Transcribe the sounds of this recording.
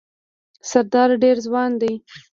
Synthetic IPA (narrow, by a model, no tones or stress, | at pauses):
saɾd̪ɑɾɖeɾzwɑnd̪aj